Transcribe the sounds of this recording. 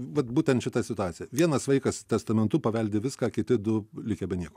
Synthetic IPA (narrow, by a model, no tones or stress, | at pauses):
ʋɐt̪buːt̪ʲɛnt̪ʃʲɪt̪ɐsʲɪt̪ʊɑːt̪sʲɪjɛʋʲiɛnɐsʋɐɪkɐst̪ʲɛst̪ɐmʲɛnt̪ʊpɐʋʲɛlʲd̪ʲɪʋʲɪskaːkʲɪt̪ʲɪd̪ʊlʲɪkʲɛbʲɛnʲiɛko